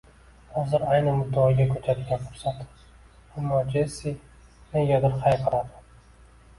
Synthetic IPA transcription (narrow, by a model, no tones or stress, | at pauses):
hɒzɪɾajnɪmʊd̪ːaːɡʲakʲʰɵt͡ʃ̪ʰad̪ɪɡʲanfʊ̥ɾsat̪ | amːɒd͡ʒesi | nejʲad̪ɪɾqʰɑjpʰaɾad̪ɪ̥